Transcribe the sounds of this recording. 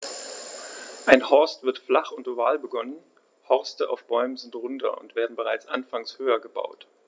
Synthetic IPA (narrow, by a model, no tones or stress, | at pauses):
ʔaɪnhɔɐstv̥ɪɐtflaχʊntovaːlbəɡɔnən | hɔɐstəʔa̰ʊfb̥ɔʏməzɪntʁʊntɐ̰ʔʊ̰ntv̥eːɐdn̩bəʁaɪt͡sʔanfaŋshøːɐɡəba̰ʊt